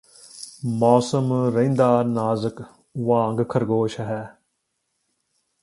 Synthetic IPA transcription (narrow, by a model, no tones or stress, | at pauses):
mɔːsəmɾeĩnd̪aːnaːzək | ʋãːŋɡkʰəɾɡoːʃɐɦɛː